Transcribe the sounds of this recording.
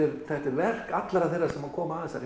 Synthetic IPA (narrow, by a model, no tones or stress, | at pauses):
ɪɾθɛht̪ɪɾvɛr̥katt̪laɾaθejrːaɾ̥sɛmakʰɔːmaaðɛsa̰ɾ